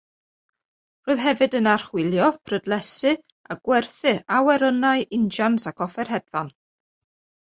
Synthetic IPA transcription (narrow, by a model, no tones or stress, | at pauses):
roːɨðɦɛvɨdənar̥χwɪlˠjɔpʰrədlˠɛsɨ | aɡ̥wɛrθɨawɛɾənaɨʔɪnd͡ʒansakʰɔfɛrɦɛdvan